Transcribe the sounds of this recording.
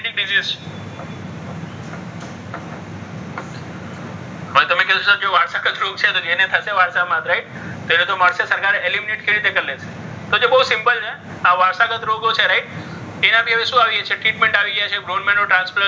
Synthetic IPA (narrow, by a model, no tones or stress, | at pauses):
ʈik̚ɖiziz | ɦojt̪əmẽkeũʃod͡ʒeʋaɾsakət̪ʰɾoɡt͡ʃʰet̪od͡ʒenet̪ʰəseʋaɾsamãt̪ɾaiʈ | t̪oenot̪omaɾsəsəɾkaɾeelimineʈ̚keɾit̪ekəɾlet͡ʃʰe̥ | t̪od͡ʒebəɦusɪmpəlt͡ʃʰe | aʋaɾsakət̪ɾoɡot͡ʃʰeɾaiʈ̪̚ | enãpiɦəʋeʃũaʋiet͡ʃʰeʈɾiʈmẽɳʈaʋiɡəjat͡ʃʰeɡɾonmenoʈɾãnsfəɾ